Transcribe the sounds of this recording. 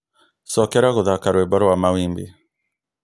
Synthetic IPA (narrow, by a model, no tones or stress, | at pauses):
sɔkɛɾaɣoðakaɾwebɔɾɔwamawimbi